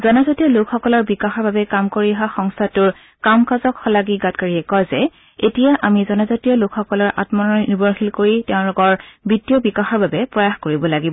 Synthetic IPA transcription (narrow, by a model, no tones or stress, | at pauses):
zɔnazatijɔlʊkxɔkɔlɔɹbikaxɔɹbabɛkamkoɹiaɦaxɔŋstʰatʊɹ | kamkazɔkxɔlaɡiɡat̚kaɹiɛkɔjzɛ | etijaʔamizɔnazatijɔlʊkxɔkɔlɔɹʔa̰tmɔnɔnibɔɹxilkoɹitɛʊ̃lʊɡɔɹbitijɔbikaxɔɹbabɛpɹɔjaxkoɹibɔlaɡibɔ